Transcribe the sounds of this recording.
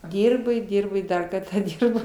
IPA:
ˈdʲiːrboː ɪ ˈdʲiːrboː ɪ ˈdɐr kɐrtɑː ˈdʲiːrboː

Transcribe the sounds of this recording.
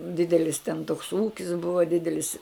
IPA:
ˈdʲɪdʲɛlʲɪs tʲɛn toːks ˈuːkʲɪs ˈbʊʋɐ ˈdʲɪdʲɛlʲɪs

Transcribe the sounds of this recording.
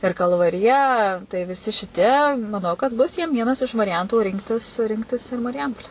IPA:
ɪr kɐlˠʋɐrʲɪˈjɛ tɐɪ ʋʲɪsʲɪ ʃʲɪˈtʲiɛ mɐˈnɐʊ kɐt ˈbʊs jiɛm ˈʋʲiɛnɐs ɪʃ ʋɐrʲɪˈjɛntuː ˈrʲɪŋktʲɪs ˈrʲɪŋktʲɪs ɪr mɐrʲɪˈjɛmpoːlʲæː

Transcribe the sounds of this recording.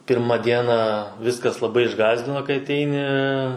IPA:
ˈpʲɪrmɐ ˈdʲiɛnɑː ˈʋʲɪskɐs lˠɐˈbɐɪ ɪʒˈɡɑːzʲdʲɪnoː kɐɪ ɐˈtʲɛɪnʲɪ

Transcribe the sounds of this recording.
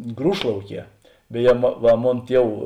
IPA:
ˈɡruːʃlˠɐʊˌkʲiɛ bʲɛˈjɛ mɐ ˈʋɐ ˈmoːn ˈtʲiɛw

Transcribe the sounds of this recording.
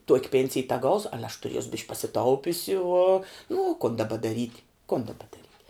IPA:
tuɔkʲ ˈpʲeːnʲsʲɪj tʲɛˈɡɐʊsʊ ˈɑːlʲɛ ɐʃ tʊˈrʲiɛsʊ bʲɪʃʲkʲ pɐsʲɪˈtɐʊpʲʊsʲɪ uɔ nʊ ʊ kʊn dɐˈbɐ dɐˈrʲiːtʲ kʊn dɐˈbɐ dɐˈrʲiːtʲ

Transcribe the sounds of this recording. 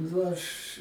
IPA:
nʊ ˈɐʃ

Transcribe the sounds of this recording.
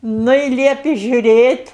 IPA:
ˈnʊ ɪ ˈlʲiɛpʲɪ ˈʒʲʊˈrʲeːtʲ

